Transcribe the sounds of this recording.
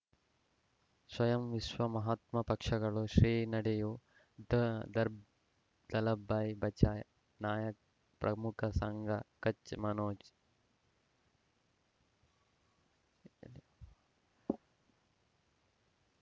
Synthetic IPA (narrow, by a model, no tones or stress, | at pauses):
swɐjɐmʋiʃʋɐmɐɦaːt̪mɐpɐkʂɐɡɐɭuʃɾiːnɐɽeju | d̪ɐd̪ɐɾ | d̪ɐlɐbaːjbɐt͡ʃaːj | naːjɐk̚ | pɾʔɐmukʰɐsɐŋɡʱɐkɐt͡ʃmɐnoːt͡ʃ